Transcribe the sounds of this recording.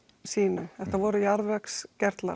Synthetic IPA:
siːnʏɛht̪avɔːɾʏjaɾvɛkscɛɾt̪la̰

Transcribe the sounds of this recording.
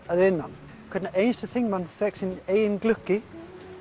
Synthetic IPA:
aðɪnːa̰n | kʰɛdnaʔẽjnst̪əθɪ̃ŋmãnfɛk̚sɪneːjɪnklʏkːɪ

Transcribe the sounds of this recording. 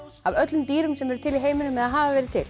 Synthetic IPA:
avœt̪lʏmt̪iːɾʏmsɛmɛɾʏ̥t̪ʰɪliɦeːjmɪnʏmːɛðaðɦaːvavɛːɾɪt̪ʰɪl

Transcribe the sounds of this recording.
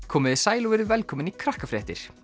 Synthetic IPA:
kʰɔːmɪðɪsaːjlɔvɛɾʏvɛlkʰɔːmɪnikʰɾahkafɾɛht̪ɪɾ̥

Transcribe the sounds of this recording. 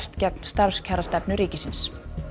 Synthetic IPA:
st̪cɛp̚n̥st̪aɾscʰaɾast̪ɛpnʏɾiːcɪsɪns

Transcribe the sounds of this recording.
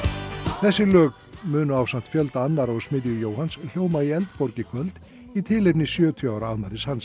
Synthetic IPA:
θɛsːɪlœːk | mʏːnʏaːwsant̪fjœlt̪aanːaɾɔɣsmɪðjʏjoːwhansl̥joːwmaiɛlt̪pɔɾcɪkʰvœlt̪ | it̪ʰɪlejpnɪsjœːt̪ʰyaːwɾaaðmaɾɪshans

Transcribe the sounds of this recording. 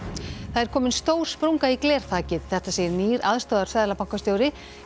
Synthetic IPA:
θaðɛɾkʰɔːmɪnst̪oːwɾ̥spɾuŋkaiklɛːɾ̥t̪ʰaːcɪðθɛht̪aseːjɪniːɾaðst̪ɔːðaɾ̥sfaːðlapawŋ̥kast̪joːwɾɪ

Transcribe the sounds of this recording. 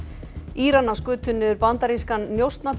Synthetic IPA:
iːɾanːaskʏːt̪ʰʏnːʏʏɾpant̪aɾiskanːjowst̪nap

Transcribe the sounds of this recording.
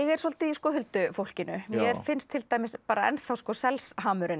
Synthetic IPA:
ɛɣɛɾ̥sɔlt̪ɪiskɔːhʏlt̪ʏfowl̥cɪnʏmjjɛɛɾfɪnst̪ʰɪlt̪aːjmɪspaːɾaɛ̰nθawskɔsɛlsɦaːmʏɾɪn

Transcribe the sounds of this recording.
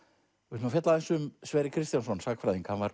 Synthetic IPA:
ɪnafjɛt̪laðɛnsʏmsvɛːɾɪkʰɾɪst̪jansɔnsaːkfɾajðiŋkʰamvaɾ̥

